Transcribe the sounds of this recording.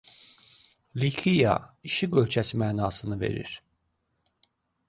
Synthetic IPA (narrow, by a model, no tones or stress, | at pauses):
likʰijɑ̰iʃiɡølt͡ʃʰæsimæːnɑːsɯnɯve̞̰ɾḭɾ̥